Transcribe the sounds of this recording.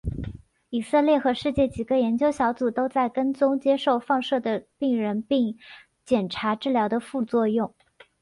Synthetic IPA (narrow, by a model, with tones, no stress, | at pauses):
i˨˩sɤ˥˧ljɛ˥˩xɤ˧˥ʂɻ̩˥˧t͡ɕjɛ˥˩t͡ɕi˨˩ɡə˦jɛ˧˥nt͡ɕjo˥ʊɕjɑ˧˥ʊt͡su˨˩t̪o˥ʊt͡sa˥˩ɪkə˥nt͡sʊ˥ŋt͡ɕjɛ˥ʂo˥˧ʊfɑ˥˧ŋʂɤ˥˩d̪ə˩pi˥˩ŋɻə˧˥npi˥˧ŋ | t͡ɕjɛ˨˩nʈ͡ʂʰa˧˥ʈ͡ʂɻ̩˥˩ljɑ˧˥ʊd̪ə˧fu˥˧t͡swɔ˥˧jʊ˥˩ŋ